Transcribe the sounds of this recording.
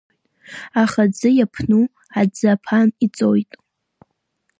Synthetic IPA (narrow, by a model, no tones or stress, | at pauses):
aχad͡zɨjapʰnu | ad͡zapʰanit͡sʼojtʼ